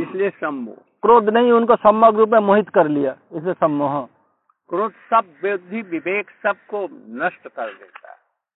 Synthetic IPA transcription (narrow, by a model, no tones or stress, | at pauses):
ɪsliesɐm̰ | kɾoːd̪nɐɦĩʊnkosɐmːaɡɾuːp̬mẽmoɦɪt̪kɐɾlijaːɪslesɐmːoɦə | kɾoːd̪sɐb̚ʋjod̪ʱːiʋɪʋeːksɐb̚konɐʃʈkɐɾd̪ḛːt̪a̰ɦɛ